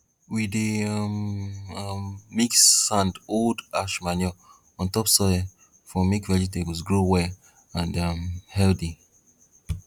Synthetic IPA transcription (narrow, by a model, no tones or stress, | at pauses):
wideʌm | mːiksãndoldaʃmanjɔ | ɔ̃ntɔpsɔ | fɹɔ̃mːikvɛd͡ʒitebəsɡɹowɛ | ãndʌmhɛldi